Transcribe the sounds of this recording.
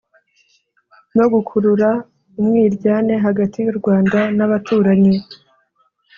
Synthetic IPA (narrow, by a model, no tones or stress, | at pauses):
no̞ɡukʰuɾuɾa | umŋiːɾɟaːne̞ɦaɡatʰijuɾɡwaːndanaβatuːɾaɲe